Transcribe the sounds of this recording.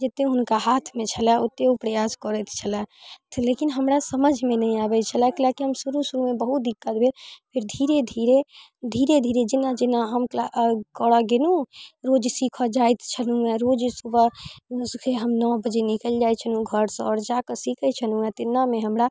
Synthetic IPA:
d͡ʒet̪ːeɦʊnkaɦat̪ʰmẽt͡ʃʰəlɛot̪ːeupɾəjaskɔɾət̪ʰt͡ʃʰəlɛt̪lekinɦəmɾasəməd͡ʒʱmenəĩabɛt͡ʃʰəlɛkilakiɦəmsuɾusuɾumebəɦut̪̚d̪ikːət̪bʱepʰiɾd̪ʱiɾed̪ʱiɾe | d̪ʱiɾed̪ʱiɾed͡ʒinad͡ʒenaɦəmklakɔɽaɡenuɾod͡ʒsikʰəd͡ʒajt̪ʰt͡ʃʰənuɛ̃ɾod͡ʒsubəskʰeɦəmnɔbəd͡ʒenikəld͡ʒajt͡ʃʰənũɡʱəɾsə̃ɔːɾd͡ʒakəsikʰət͡ʃʰənũɛ̃t̪inːameɦəmɾa

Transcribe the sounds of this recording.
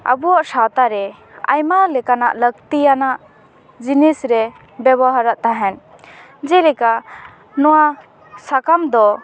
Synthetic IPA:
a̰buaʔsawt̪aɾɛ | a̰jmalɛkanaʔlək̚t̪ijanaʔ | d͡ʒinisɾɛ | bɛβɔɦaɾaʔt̪aɦɛn | d͡ʒɛlɛka | nɔwa | sakamd̪ɔ

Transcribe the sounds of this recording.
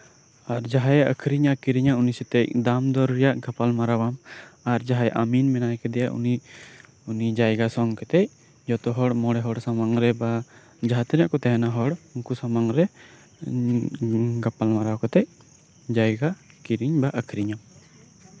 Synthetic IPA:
aɾd͡ʒaɦajʔə̰kʰɾiɲakiɾiɲaunisɛt̪ɛc̚d̪amd̪ɔɾːɛjaʔɡapalmaɾawamaɾd͡ʒaɦajʔaminmɛnajkɛd̪ɛjaʔṵni | unid͡ʒajɡasɔŋkɛt̪ɛc̚ | d͡ʒɔt̪ɔɦɔɽmɔɽɛɦɔɽsamaŋɾɛba | d͡ʒaɦat̪ɾiaʔkɔt̪ɛɦɛnaɦɔɽuŋkusamaŋɾɛ | ɡapalmaɾawkɔt̪ɛc̚ | d͡ʒajɡakiɾiɲbaʔəkʰɾiɲam

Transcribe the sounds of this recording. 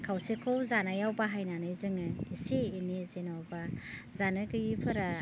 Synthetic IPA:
kʰawsekʰɔwzanajawbaɦajnanɯjzɯŋɯiseːnizenawbazanɯɡɯjipʰɯɾa

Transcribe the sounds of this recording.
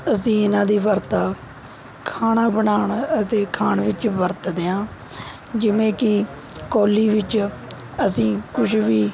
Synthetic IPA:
əsĩːɪnãːd̪iːʋəɾt̪aː | kʰaːɳãːbəɳaːɳət̪eːkʰaːɳʋɪt͡ʃʋəɾt̪d̪eãː | d͡ʒɪʋẽːkɪ | koːliːʋɪt͡ʃ | əsĩːkʊʃʰʋiː

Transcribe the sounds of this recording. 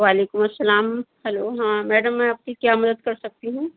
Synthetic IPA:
ʋaːleːkʊmɐsːɐlaːmhɛloːɦãːmɛːɖəmːɛ̃ɐp̚kikjaːmɐd̪əd̪kɐɾsɐk̚t̪iɦũː

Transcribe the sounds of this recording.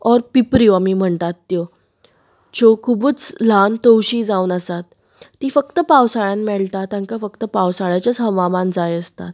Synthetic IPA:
ɔɾpipɾioamiːm̤əɳt̪at̪ːjo | d͡ʑokʰubət͡slant̪əwɕiːd͡zaunəsat̪ː | iːfəkt̪əpawsaɭjanmɛɭt̪at̪ãŋkafəkt̪əpawsaɭjat͡ɕat͡sɦəʋamand͡zajəst̪at̪̚

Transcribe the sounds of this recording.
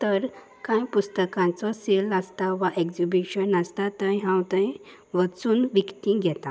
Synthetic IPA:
t̪əɾ | kãjpust̪əkãt͡sɔseləst̪aʋaʔekd͡ʑibiɕənəst̪at̪ə̃jɦãwt̪ə̃j | ʋət͡suːnʋikt̪ĩɡʱɛt̪a

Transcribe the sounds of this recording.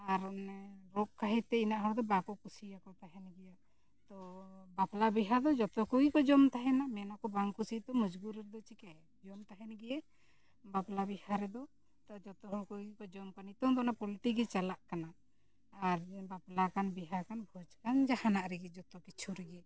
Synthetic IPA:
aɾɾɔʔkaɦɛt̪ɛinaʔɦawd̪ɔbakɔkusijakɔt̪aɦɛnɡɛja | t̪ɔbaplabiɦad̪ɔd͡ʒɔt̪ɔkɔɡikɔd͡ʒɔmt̪aɦɛnamɛnakɔbaŋkusit̪ɔmud͡ʒɡuɾɛɾɛd̪ɔt͡ʃikɛ | d͡ʒɔmt̪aɦɛnɡɛjɛ | baplabihaɾɛd̪ɔ | t̪ad͡ʒɔt̪ɔɦɔkuɡikɔd͡ʒɔmkanit̪ɔŋd̪ɔnapɔlʈiɡɛt͡ʃalaʔkanaː | aɾbaplakanbiɦakanbʱɔd͡ʒkand͡ʒahanaʔɾɛɡɛd͡ʒɔt̪ɔkit͡ʃʰuɾɛɡɛ

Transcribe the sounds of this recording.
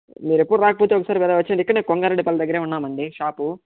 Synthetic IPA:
miːɾepːuɽuɾaːkɐpoːt̪eːɔkɐsaːɾipɛːlaːʋɐt͡ʃːiɳɖikːɐɽɐneːnkoŋɡaːɾeɖːipɐlːɐd̪ɐɡːɐɾeːunːaːmɐɳɖiʃaːpu

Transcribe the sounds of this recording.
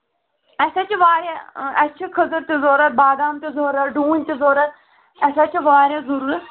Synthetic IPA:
ɐsat͡ʃiʋaːɾaɐt͡ʃʰikʰɐzəɾt̪izoːɾɐt̪̚baːd̪aːmt̪izoːɾɐt̪ɖuːnʲt̪izoːɾɐt̪̚ | ɐsat͡ʃiʋaːɾʲjãːzɐɾuːɾ

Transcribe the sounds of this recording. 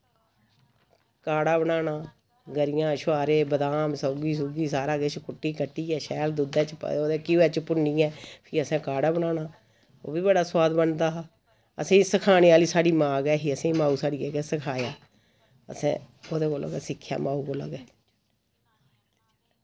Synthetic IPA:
kaːɽaːbənaːnaː | ɡəɾɪjãːʃʊaːɾeːbəd̪aːmsəʊɡiːs̬oːɡiːsaːɾaːɡeːt͡ʃkʊʈːiːkəʈːiːɛːʃɛːld̪ud̪ɛːt͡ʃpoːd̪eːkiɛːt͡ʃpʊniːɛːpʰɪːəsɛ̃ːkaːɽaːbəɳaːnaː | o̰ːbiːbəɽaːsʊwaːd̪bənd̪aːɦː | əsẽːsəkʰaːneːaːliːsaːɽiːmãːɡɛːɦiːəsɛ̃ːĩːmaːuːsaːɽiːkɛːkɛːsəkʰaːjaː | ə̰sɛ̰̃ːoːd̪eːkoːlo̰ːɡɛːsɪkʰːja̰ːmaːuːkoːla̰ːɡɛː

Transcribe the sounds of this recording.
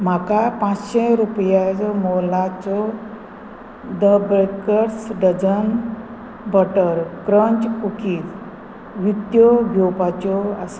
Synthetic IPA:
m̤akapãt͡sɕeɾupjat͡sɔmɔlat͡sɔ | d̪əbeɭkəɾsɖəd͡zən | bəʈəɾkɾəɲt͡ɕkukiːt͡s | ʋit̪jɔɡʱjopat͡ɕɔas

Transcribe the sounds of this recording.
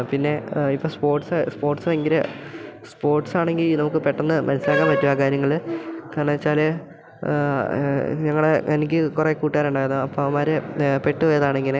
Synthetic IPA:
pinːe̞ipːoːspo̞ːrʈsɨspo̞ːrʈsɨeŋɡiɾɨspo̞ːrʈsaːɳe̞ŋɡilnɐmuk̬ːɨpeʈːɐnːɨmɐnɐsilaːŋɡɐamʋɐtːuaːkaːɾjɐŋːɐɭkaːɳɐɐt͡ɕːaːle | ɲɐŋːɐɭeʔenikʲːɨkurekuːʈːiaːɾuɳɖaːjɾunːuɐpːoɐmaːɾepe̞ʈːɨʋɐjɐðaːɳeŋɡilɨ

